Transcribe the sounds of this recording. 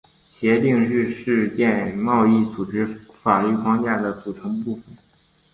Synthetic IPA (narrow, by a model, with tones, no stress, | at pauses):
ɕjɛ˧˥t̪i˥˧ŋɻy˥˧ʂɻ̩˥˧t͡ɕjɛ˥˧nmɑ˥˧ʊi˥˩t͡su˨˩ʈ͡ʂɻ̩˧˥fa˨˩ly˥˩kʰwɑ˥˧ŋt͡ɕja˥˩d̪ə˩t͡su˨˩ʈ͡ʂʰɤ˧˥ŋpu˥˩fə˩n